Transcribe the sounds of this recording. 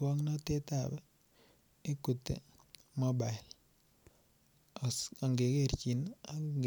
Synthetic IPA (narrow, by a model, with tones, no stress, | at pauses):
wɔ˦ŋnɔ˦te˦ta˨bɛ˦ | e˦ku˨tḛ˨ | mo˦ba˨ɪ˨l | a˨ŋɡe˨ke˦˨ɾt͡ʃi˨na